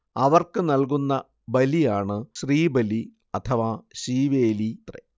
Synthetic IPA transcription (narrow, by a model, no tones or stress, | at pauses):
ɐʋɐrkɨnɐlkunːɐ | bɐlijaːɳɨɕriːbɐli | ɐt̪ʰɐʋaɕiːʋeːlit̪rḛ